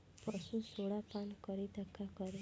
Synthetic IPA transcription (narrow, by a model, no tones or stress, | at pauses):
pɔsũsoɽapankəɾit̪əkːakəɾe